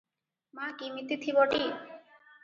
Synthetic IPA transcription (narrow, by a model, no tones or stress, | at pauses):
makimit̪ːit̪ʰiboʈi